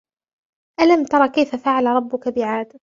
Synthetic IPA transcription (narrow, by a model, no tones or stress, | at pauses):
ʔalamt̪ɑɾˤɑkajfafaʕalɾˤɑbːʊkabɪʕaːd̪